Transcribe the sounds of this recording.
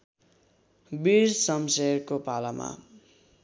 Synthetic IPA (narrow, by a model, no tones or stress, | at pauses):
biɾsʌmserkopalama̰